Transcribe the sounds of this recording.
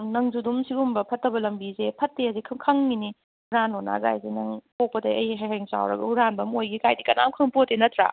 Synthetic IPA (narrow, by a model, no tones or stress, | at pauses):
nɐŋzudumsiɡumbɐpʰɐtːɐbɐlɐmbizepʰɐtːeɐzikʰɐkʰɐŋːini | huɾanona̰ɡa̰jzenɐŋpok̚pɐdɐɐ̰jɦaɦejŋsa̰wɾɐ̰ɡɐhuɾanbɐmojɡikajdikɐna̰mkʰɐŋpotːenɐtʰɾa̰